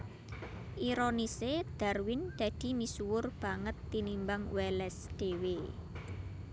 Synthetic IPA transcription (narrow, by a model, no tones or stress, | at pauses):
ʔiɾonised̪̥arwɪnd̪̥ä̤d̪̥i̤misuwʊrb̥a̤ŋət̪ːinimbaŋwɛlɛsd̪̥e̤we